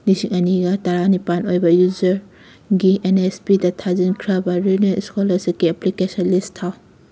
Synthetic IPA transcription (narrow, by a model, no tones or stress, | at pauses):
nisiŋɐniɡɐtaɾanipanojbɐjuzɐɾ | ɡienespidɐtʰazinkʰɾabɐɾeneiskolɐsikiɐplikesɔnlistʰaw